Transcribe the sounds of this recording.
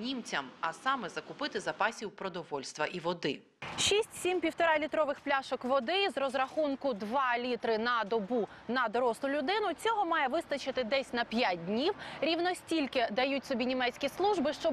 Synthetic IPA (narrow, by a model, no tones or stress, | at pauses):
nʲimt͡sʲɐmɐsɑmɛzɐkʊpɪt̪ɪzɐpɑsʲiwpɾɔd̪ɔʋɔlʲst̪ʋɐʔiʋɔd̪ɪ | ʃʲisʲtʲsʲimpʲiwt̪ɔɾɑlʲit̪ɾɔʋɪxplʲaʃɔkʋɔd̪ɪzɾɔzɾɐxunkʊd̪ʋɑlʲit̪ɾɪnɐd̪ɔbu | nɐd̪ɔɾɔslˠʊlʲʊd̪ɪnʊt͡sʲɔɦɔmɑjɛʋɪst̪ɐt͡ʃɪt̪ɪd̪ɛsʲnɐpʲjat̚ʲdʲnʲiwɾʲiwnɔsʲtʲilʲkɪd̪ɐjutʲsɔbʲinʲimɛtsʲkʲislˠuʒbɪʃt͡ʃɔ